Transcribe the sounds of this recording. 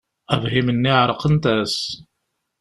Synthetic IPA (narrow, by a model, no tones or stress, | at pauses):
ævhimənːiʕɾˤəqənt̪æs